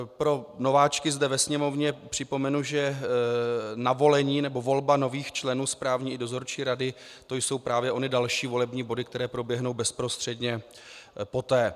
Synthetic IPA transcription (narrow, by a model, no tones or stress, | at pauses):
pɾo̞no̞vaːt͡ʃkɪzdɛvɛsɲɛmo̞vɲɛpr̝̥ɪpo̞mɛnuʒɛ | navo̞lɛɲiːnɛbovo̞lbano̞viːxt͡ʃlɛnuːspɾaːvɲiːɪdo̞zo̞ɾt͡ʃiːɾadɪ | t̪o̞jso̞wpɾaːvjɛʔo̞nɪdalʃiːvo̞lɛbɲiːbo̞dɪk̚t̪ɛɾɛːpɾo̞bjɛɦno̞wbɛspɾo̞st̪r̥ɛdɲɛ | po̞t̪ɛː